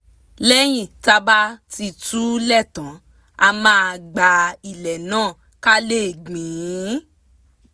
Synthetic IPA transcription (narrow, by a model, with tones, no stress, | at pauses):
lɛ˦j̃ĩ˦˨ta˧ba˦ti˧tu˦lɛ˦˨tã˨˦ | a˧mãː˦a˧˨ɡ͡ba˨i˨lɛ˨nãː˦˨ | ka˦le˦˨ɡ͡bĩ˨ũ˨˦